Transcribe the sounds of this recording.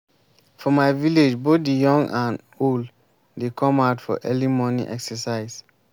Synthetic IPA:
fɔmaɪviled͡ʒbot̚dijɔ̃ŋɡãn | old | dekʰɔ̃maʊtfɔ̰ʔɛlimɔnḭʔɛksəsaɪz

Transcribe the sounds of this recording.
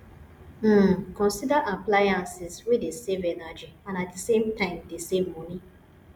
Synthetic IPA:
m̩kɔ̃nsidaʔaplajãnsiswedesevenad͡ʒiãnat̚desẽmtãɪ̃mdesemːɔni

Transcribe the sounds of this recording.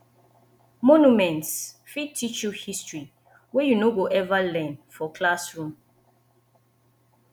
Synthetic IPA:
mɔnumɛ̃ntsfitʰːit͡ʃuhistɹi | wɛjunoɡoʔɛvalɛ̃nfɔkʰlasɹũm

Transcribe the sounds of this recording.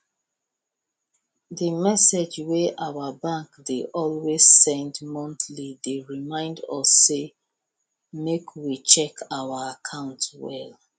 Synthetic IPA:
dəmɛsed͡ʒweʔawəbãŋkdeʔɔlwez̥sɛ̃ndmɔ̃ntlideɹimãɪ̃ndɔ̰sːe | mekʰwit͡ʃɛkʰawaakʰãʊ̃ntwɛ̰l

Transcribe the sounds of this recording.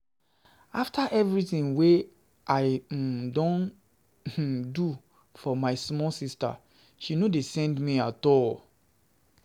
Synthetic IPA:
aftʰaʔɛvɹiθĩnwe | ʔaɪdõn̩ | du | fɔmaɪsmɔlsista̰ | ʃinodesɛ̃ndmiatɔl

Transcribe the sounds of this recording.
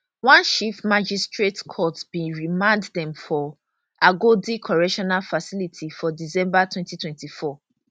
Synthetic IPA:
wãnʃiftmad͡ʒistɹetkʰɔtbĩɹimãɪnddɛ̃mfɔ | ʔaɡodikʰɔɹɛʃɔnalfasilitʰifɔdisɛ̃mbatwɛ̃ntitʰwɛ̃ntifɔ

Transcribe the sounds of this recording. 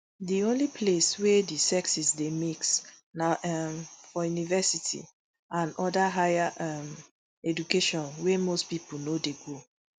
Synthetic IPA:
diõnlipʰleswɛdisɛksisdemiksnaʔɛmfɔjunivɛsitʰḭ | ãnɔdaɦajaʔɛm | ɛd͡ʒukeʃɔ̃nwemospipunodeɡo

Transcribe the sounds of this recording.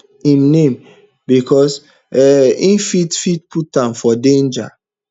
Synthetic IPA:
imnem | bikɔs | ɛĩnfitfitputãmfɔdẽnd͡ʒa̰

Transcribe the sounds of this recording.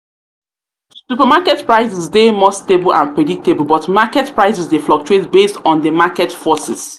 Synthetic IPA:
supəmakɛtpɹaɪsɪsdemɔstebəlã̰npɹɛdik̚tebəlˠbɔtmakɛtpɹaɪsɪsdeflɔk̚t͡ʃuetbestɔ̃ndəmakɛtfɔsɪ̰s

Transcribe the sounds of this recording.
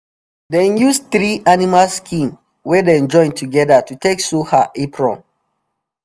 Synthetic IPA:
dɛnjusθɹiʔanimalskʰĩm | wɛdɛ̃nd͡ʒɔ̃ɪ̃ntʰuɡɛdatutʰeksuhaʔipɹɔ̰̃m

